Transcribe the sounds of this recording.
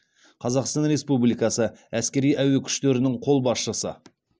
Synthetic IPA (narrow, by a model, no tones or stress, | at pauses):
qʰɑzɑqst̪ɑnɾe̞spublijkɑsəæskʲe̞ɾijʔæwekʲʰʏ̥ʃt̪eɾɪnɪɴqʰo̞lˠbɑsʃəsə̰